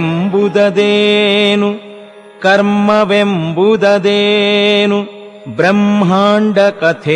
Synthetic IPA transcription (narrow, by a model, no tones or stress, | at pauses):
mbud̪ɐd̪eːnu | kɐɾmɐʋembud̪ɐd̪eːnu | bɾɐmːɦaːɳɖɐkɐt̪ʰe